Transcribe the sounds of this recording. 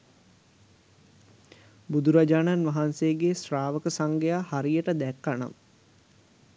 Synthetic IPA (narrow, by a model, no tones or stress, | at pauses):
bud̪uɾad͡ʒaːnanʋaɦanseːɡesraːʋəkəsaŋɡejahaɾijəʈəd̪ɛkːana̰m